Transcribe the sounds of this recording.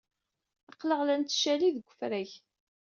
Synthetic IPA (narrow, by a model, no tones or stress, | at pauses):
ɑqːləʁlænt̪ːʃæliðəɡʷːəfɾæç